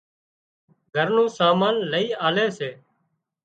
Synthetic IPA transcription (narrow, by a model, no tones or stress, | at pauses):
ɡʱəɾnũːsaːmaːnləiːaːleːseː